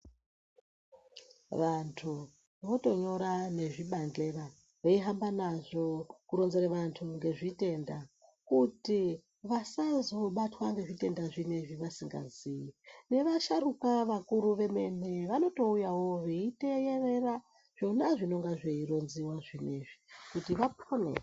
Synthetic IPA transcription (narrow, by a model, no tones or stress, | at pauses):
ʋantʰu | ʋo̞to̞ɲo̞ɾane̞ʐiɓand͡ɮe̞ra | ʋeiɦambanaʐo̞kuɾo̞nzeɾeʋantʰuŋɡe̞ʐite̞ndakuti | ʋasazo̞ɓatwaŋɡe̞ʐite̞ndaʐine̞ʐiʋasiŋɡa̰ziine̞ʋaʃaɾukaʋakuɾuʋe̞me̞ne̞ʋano̞to̞ujawo̞ʋeitejere̞ra | ʐ̥o̞naʐino̞ŋɡaʐeiro̞nziwaʐine̞ʐikutiʋaponḛ